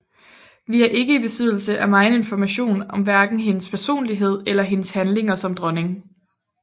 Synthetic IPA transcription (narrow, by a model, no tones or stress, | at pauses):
ʋiæɐʔe̝ɡ̥əib̥e̝sʰy̰ð̞̰ˠl̩səʔæmɑ̈ɪne̝nfɒmæɕo̝̰ːnɒ̽mʋæɐɡ̥n̩ɦe̝nəspʰæɐso̝̰ːnliɦe̝ð̰ˠelɐɦe̝nəshænle̝ŋɐsɒ̽md̥ʁɒ̽ne̝ŋ